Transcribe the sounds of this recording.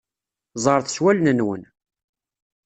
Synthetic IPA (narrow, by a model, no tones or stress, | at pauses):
zˤɑɾθswælnənwə̰n